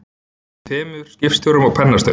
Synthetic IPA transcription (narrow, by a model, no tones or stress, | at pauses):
t̪ʰɛːmɪðʏɾ̥scɪfst̪jɔɾʏmɔɣpʰɛnːast̪œ̰